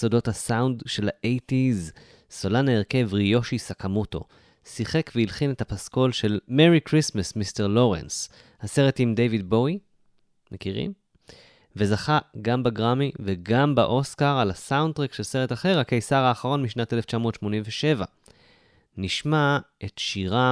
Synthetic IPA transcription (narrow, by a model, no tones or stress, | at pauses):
sodo̞thasawndʃe̞laʔejtiz | so̞lanaeʁke̞vʁijo̞ʃisakamuto̞̰ | siχe̞kveilχine̞tapasko̞lʃe̞lmeʁikʁismasmiste̞ʁlo̞ʁe̞̰ns | hase̞ʁe̞timde̞jvid̚bo̞i | mʔekiʁḭm | ve̞zaχaɡambaɡʁamiveɡambaʔo̞skaʁalasawndt̪ʁekʃe̞lse̞ʁetaχe̞ʁakejsaʁaːχaʁo̞nmiʃnate̞le̞ft͡ʃamotʃmo̞nimveʃe̞va | niʃmaʔetʃiʁa